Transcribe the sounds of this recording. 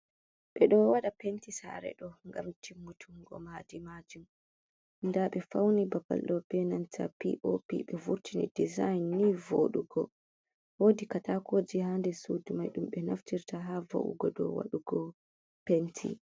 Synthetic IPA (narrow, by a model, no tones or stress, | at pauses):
ɓɛɗɔwaɗapentisa̰ɾɛ̰ɗɔŋɡa̰mtʰimːutʰuŋɡɔ̰madimad͡ʒum | ndaɓɛfawnibaba̰lɗɔbɛnantʰa̰pḭʔopḭɓɛvuɾtinḭdizajnːivoɗuɡɔ | woːdikatakoːd͡ʒihandɛsuːdumajɗumɓɛnaftiɾtaɦava̰ʔṵɡɔɗɔ̰wa̰ɗuɡɔ | pentʰḭ